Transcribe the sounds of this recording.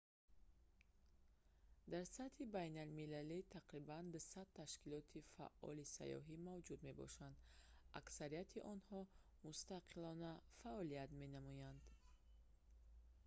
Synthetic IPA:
d̪aɾsat̪hibajnalmilalit̪ʰaqɾiband̪usad̪̚t̪ʰːaʃkilɔt̪ʰifa̰ʔɔ̰lisa̰jɔ̰ɦimavd͡ʒud̪me̞bɔ̰ʃand̪a̰ksaɾijat̪ʰiʔɔnhɔ | must̪aqʰilɔnafaʔɔliat̪me̞namɔjand̪

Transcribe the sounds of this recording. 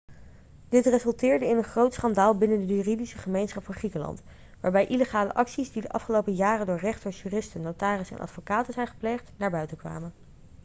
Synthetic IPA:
d̥ɪtrezɵlˠtɪːɹdəɪnənχrowtsχɑndaːlˠbɪnəndəjyːridisəχəmejnsχɑpfɑ̃nχrikəlɑ̰nt | ʋaːɹbɛjʔiləχaːlə̰ʔɑksizdidəʔɑfχəlowpəjaːrəndʊːɹrɛχtoʃyːrɪstənːowtaːrɪsɛ̰nʔɑ̰tfokaːtənzɛjnχə̥plejχtnaːɹbœɥtəkʋa̰ːmən

